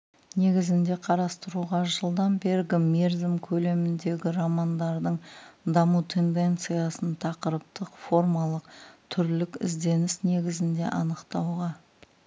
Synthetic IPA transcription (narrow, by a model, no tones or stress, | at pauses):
ne̞ɡʲɪzɪnd̪e̞qʰɑɾɑst̪əɾuʁɑʒəlˠd̪ɑmbe̞ɾɡʲɪmeɾzɪmkʲʰɵle̞mɪnd̪e̞ɡʲɪɾɑmɑnd̪ɑɾd̪əɴd̪ɑmut̪ʰe̞nd̪e̞nt̪sɨjɑsənt̪ʰɑqəɾəp̚t̪əqfo̞rmɑlˠəqt̪ʰʏɾlɪkɪ̰zd̪e̞nɪsne̞ɡʲɪzɪnd̪e̞̰ʔɑnəqt̪ɑwʁɑ